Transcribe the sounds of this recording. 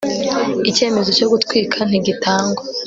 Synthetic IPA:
ice̞ːme̞zoco̞ɡutkwiːkʰan̥iɟitaːŋɡwa

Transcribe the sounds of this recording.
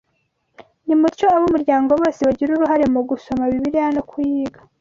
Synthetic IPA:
nimuɾt͡ʃo̞aβumuɾɟaːŋɡo̞βo̞ːseβaɟiɾuɾuɦaɾe̞muɡuso̞maβiβiɾijanokujiːɡa

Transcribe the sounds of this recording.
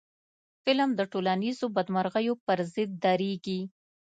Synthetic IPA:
fɪlmd̪əʈolanizobad̪maɾɣəjopəɾzɪd̪̚ːɑɾeɡi

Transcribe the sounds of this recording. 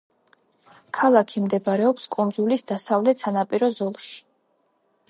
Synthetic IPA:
kʰalˠakʰimd̪ɛbaɾɛɔpskʼund̪zulisd̪asavlɛt̪sanapʼiɾɔzɔlˠʃi̥

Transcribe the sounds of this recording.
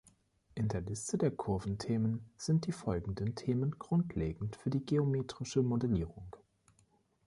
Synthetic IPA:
ʔɪndeːɐlɪstədeːɐkʰʊɐvn̩tʰeːmənz̥ɪnt̚d̥iːfɔlɡŋ̩dəntʰeːmənɡ̥ʁʊntʰleːɡŋ̩tfyːɐdiːɡeomeːtʁ̥ɪʃəmodɛliːʁʊŋ

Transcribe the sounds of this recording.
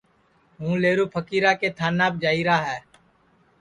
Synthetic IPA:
ɦũːleːɾuːpʰəkiːɾaːkeːt̪ʰaːnːaːb̚d͡ʒaːiːɾaːɦɛː

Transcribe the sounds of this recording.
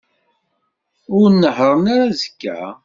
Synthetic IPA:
ʊɾnːəħɾˤəmaɾazəkːæ̰

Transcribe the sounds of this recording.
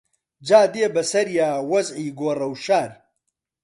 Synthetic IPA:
d͡ʒaːd̪eːbɐsɐɾjaːwɐzʕiːɡoːrɐwʃaːɾ

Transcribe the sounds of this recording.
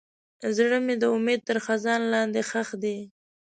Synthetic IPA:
zɽəmed̪əʊmed̪̚t̪əɾxazɑnlɑnd̪exaxd̪e

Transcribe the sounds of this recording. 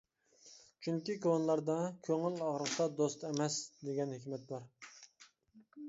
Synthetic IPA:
t͡ʃʰyŋkʲikʰonlˠɑɾd̪ɑkʲʰøŋɪlɑʁɾəqt̪ɑd̪ost̪ɛmɛsd̪eɡʲɛnhɪkʲmɛt̪̚bɑɾ

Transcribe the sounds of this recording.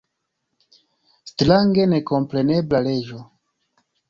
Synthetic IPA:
stɾaŋɡe̞ne̞ko̞mpɾe̞neblale̞d͡ʒo

